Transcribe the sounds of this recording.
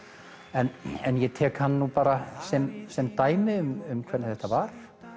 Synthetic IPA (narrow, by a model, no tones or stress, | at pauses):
ɛnɛnjɛt̪ʰɛːkhanːanupaːɾasɛmsɛmt̪aːjmɪʏmʏmkʰv̥ɛɾnɪθɛht̪avaɾ̥